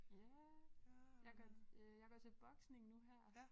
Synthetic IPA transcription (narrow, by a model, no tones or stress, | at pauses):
jæ | jɑ̈ɡ̥ɒjɑ̈ɡ̥ɒt͡sʰe̝b̥ɒ̽ɡ̥sne̝ŋnuɦæɐ̰